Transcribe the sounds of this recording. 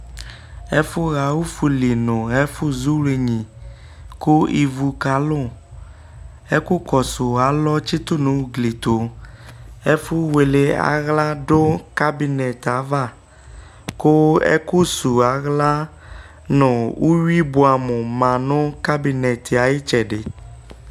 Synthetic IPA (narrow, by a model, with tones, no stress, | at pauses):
e˦fʊ˦ɣa˨wu˦fu˨li˨nʊ̃˨e˦fu˦zu˦wle˨ɲĩ˨ | ku˦i˨vu˨ka˨˦lʊ˦˨ | e˦ku˦kɔ˨sʊ˨a˨˦lɔ˦t͡ʃi˦t̪ʊ˦nʊ̃˨˦wu˦ɡli˨t̪o˨ | e˦fu˦we˨le˨a̰˨ɣla˦ɖo˦ka˦bi˨nɛ˨t̪a˨˦va˦˨ | kʊ˦ḛ˦ku˦su˨a˨ɣla˦ | nʊ̃˨wu˦wi˦bo˨a˨mʊ̃˨mã˨nʊ̃˦ka˦bi˨nɛ˨t̪i˨a˨je˦t͡ʃɛ˨ɖɪ˨